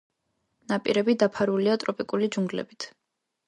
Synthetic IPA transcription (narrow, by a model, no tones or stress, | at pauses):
napʼḭɾɛbid̪apʰaɾuliat̪ʼɾɔpʼikʼulid͡ʒuŋɡlɛ̰bit̪ʰ